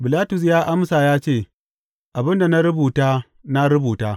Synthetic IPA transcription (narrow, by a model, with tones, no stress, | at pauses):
bɪ˨laː˦tʊ˨s̬jaː˦ʔa˦msa˨jaː˦t͡ʃeː˦˨ | ʔa˨bɪ˦nda˨na˦ɾʊ˦buː˨taː˦ | na˦ɾʊ˦buː˨taː˦